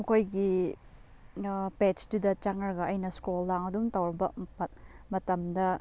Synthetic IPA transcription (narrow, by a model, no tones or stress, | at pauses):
mɐkʰojɡi | pet͡ʃdudɐt͡ʃaŋɐɾɡɐʔɐjnɐskolːaŋɐdumtɐwɾɐbɐpɐt̚mɐtɐmdɐ